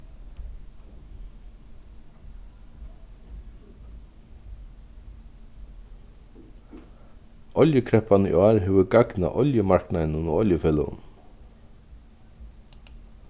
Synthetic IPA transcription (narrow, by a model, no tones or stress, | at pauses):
ɔljəkʰɾɛhpanəḭaːɾɦɛːʋʏɾɡakna̰ʔɔljəmaɹ̥knaɪnunuɔljəfɛːlə̰ʊ̰n